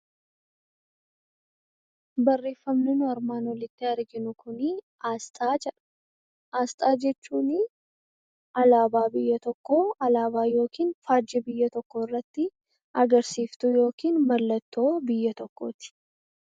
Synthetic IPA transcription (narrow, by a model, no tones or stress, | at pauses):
bɐrːe̞ːfːɐmnɪnʊɐɾmaːnwɔlɪt̪ːɪɐɾɡɪnʊkʊnɪ | aːst̪ʼaːd͡ʒɛᶑɐ̥ | ʔaːst̪ʼaːd͡ʒɛt͡ʃːuːnɪ | ɐlaːbaːbɪjːɐt̪ɔkːoːɐlaːβaːjo̞ːkʰiːnfaːd͡ʒːɛbɪjːɐt̪ɔkːoːɪrːɐt̪ːɪ | ʔɐɡɐɾsiːft̪ʊjo̞ːkiːnmɐlːɐt̪ːo̞ːbɪjːɐt̪ɔkːoːt̪ɪ̥